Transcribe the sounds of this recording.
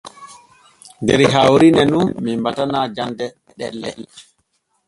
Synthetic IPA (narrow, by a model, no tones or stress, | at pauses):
ndɛ̰ɾɦawɾinɛnunːimbatanad͡ʒandɛ | ɗɛ̰lːɛ̰l